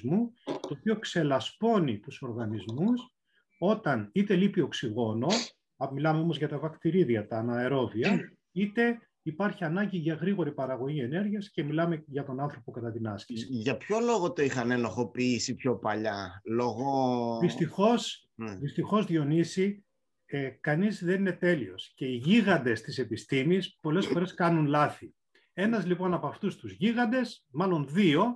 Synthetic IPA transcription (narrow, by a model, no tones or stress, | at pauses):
zmut̪o̞ːpiokse̞lɐspo̞nit̪uso̞ɾɣɐnizmus | o̞t̪ɐnit̪e̞lipio̞ksiɣo̞no̞ | ɐmilɐme̞o̞mo̞zʝɐt̪ɐvɐkt̪iɾiðiɐt̪ɐnɐeɾo̞viɐ | it̪e̞ | ipɐɾçiɐnɐɲɟiʝɐɣɾiɣo̞ɾipɐɾɐɣo̞ʝie̞ne̞ɾʝiɐsce̞milɐmeʝɐt̪o̞nɐnθɾo̞po̞kɐt̪ɐt̪inɐscisiʝɐpço̞lo̞ɣot̪oixɐnenoxo̞piisipço̞pɐʎɐloɣoðist̪ixo̞s | ðist̪ixo̞zðio̞nisi | ekɐnizðenine̞t̪e̞lio̞̰sce̞iʝiɣɐnd̪e̞st̪ise̞pist̪imispo̞le̞sfo̞ɾe̞skɐnunlɐθi | e̞nɐzlipo̞nɐpɐft̪ust̪uzʝiɣɐnd̪e̞smɐlo̞nðio̞